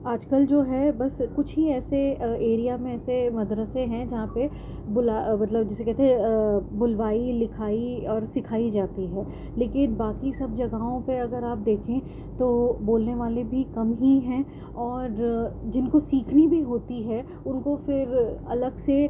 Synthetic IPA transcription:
aːd͡ʒkəld͡ʒoːɦɛbɐskʊt͡ʃʰɦiɛːseeːɾijamẽɛːsemɐd̪ɾəsẽɦɛ̃d͡ʒɐɦãpe | bʊlamɐt̪ləbd͡ʒɛːsekɛɦt̪eɦɛbʊlʋaːilɪkʰaːiɔːɾsɪkʰaːid͡ʒaːt̪iɦɛː | leːkɪnbaːkisɐb̚d͡ʒɐɡaɦõpeɐɡəɾaːp̚d̪eːkʰẽ | t̪oboːlneʋaːlebʱikɐmɦiɦɛ̃ː | ɔːɾd͡ʒɪnkosiːkʰnibʱiɦoːt̪iɦɛ | ʊnkofɪɾɐləɡse

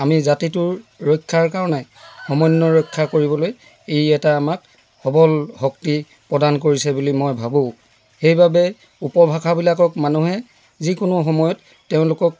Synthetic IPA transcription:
amizatitʊɹɹɔjkʰːaɹkaɹɔnɛxɔmɔjnːɔɹɔjkʰːakoɹibɔloj | ejɛtaːmak̚ | xɔbɔlhɔkti | pɹɔdankoɹisɛbulimɔjbʱabõ | xejbabɛ | upɔbʱakʰabilakɔkmanuɦɛ | zikʊnʊxɔmɔjɔtːeʊ̃lʊkɔk̚

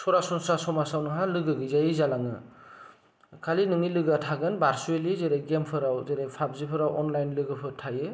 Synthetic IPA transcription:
sɔɾasɔnsasɔmasawnɯɦalɯɡɯɡɯzajɯzalaŋɯ | kʰalinɯŋilɯɡatʰaɡɯnbaɾsuelizeɾeɡempʰɯɾawzeɾejpʰab̚zipʰɯɾawɔnlajnlɯɡɯpʰɯtʰajɯ

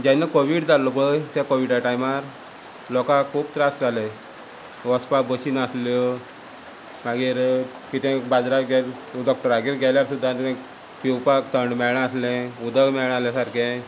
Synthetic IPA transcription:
d͡ʑãnːakoʋiɽd͡zalːɔkɭəjt̪akoʋiɽaʈajmaɾ | lɔkãkʰuːp̚t̪ɾasd͡zalɛ | ʋɔspabəɕinaslɔ | maɡiɾ | kit̪ɛ̃bad͡zɾaɡɛl | ɖɔk̚ʈəɾaɡiːɾɡʱɛljaɾsud̪ʱːat̪ã | piwpakt̪ʰəɳɖmɛɭɳ̃ãaslɛ̃ud̪ʱəɡmɛɭɽ̃alasaɾkɛ̃

